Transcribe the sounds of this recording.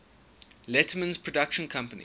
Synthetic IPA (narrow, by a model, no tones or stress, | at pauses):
lɛtʰəmə̃nz̥pʰɹ̥ɔdakʃə̃nkʰãmpənḭ